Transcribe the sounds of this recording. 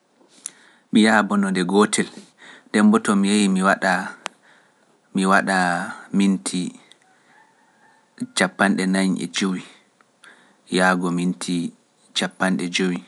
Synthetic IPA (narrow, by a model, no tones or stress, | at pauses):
mijabɔnɔdɛɡɔtʰɛl | ndɛmbɔtɔmijejimiwaɗa | miwaɗamintʰi | t͡ʃapːanɗɛnajɲʔɛ̰d͡ʒowi | jaːɡɔmintʰi | t͡ʃapːanɗɛd͡ʒowi